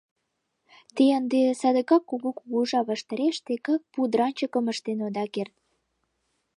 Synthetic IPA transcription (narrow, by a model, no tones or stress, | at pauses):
t̪eənd̪esɑd̪əkɑkːuɣokuɣoʒɑβɑʃt̪ɑɾeʃt̪ekɑk̚pud̪ɾɑnʲt͡ɕəkəməʃt̪enod̪ɑkert̪̚